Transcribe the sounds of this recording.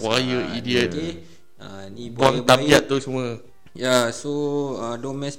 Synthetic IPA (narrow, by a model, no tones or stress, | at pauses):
wajəidiət̪i | anibuaŋt̪abiat̪̚ːusəmuə | jasoadɔmɛ̃s